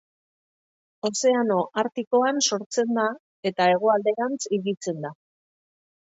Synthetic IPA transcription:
o̞se̞ano̞ʔaɾt̪iko̞anso̞ɾt͡se̞nd̪a | e̞t̪ae̞ɣ̞o̞ald̪e̞ɣant͡siɣit͡se̞nd̪a

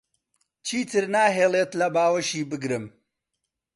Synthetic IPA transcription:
t͡ʃʰiːt̪ʰɨɾnaːɦeːlˠeːt̪lɐbaːwɐʃiːbɨɡɾɨm

